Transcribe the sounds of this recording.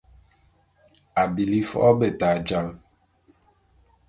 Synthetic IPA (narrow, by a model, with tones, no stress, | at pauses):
a˨bi˨li˦fɔ̰˦be˨ta˨d͡ʒa˦l